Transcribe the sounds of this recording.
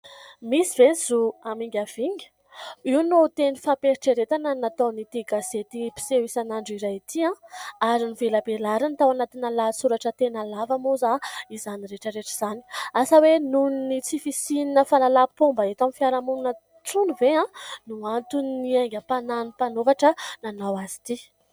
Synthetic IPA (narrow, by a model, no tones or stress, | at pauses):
misivenzuamiŋɡʲav̥iɲə̥ | iunot̪enifapeɾiʈ͡ʂeɾet̪ananat̪anit̪iɡaset̪ipi̥seisanaɳɖ͡ʐiɾajit̪ʰiãaɾinivelabelaɾanit̪awanat̪inalasuɾaʈ͡ʂət̪enalavamozaizaniɾeʈ͡ʂəɾeʈ͡ʂiz̥ani̥asəwenunnit͡sifisininəfalalapombəet̪amifiaɾamununə | ʈ͡ʂunuveãnuant̪uniaŋɡʲəpananipanovaʈ͡ʂənanawazi̥t̪i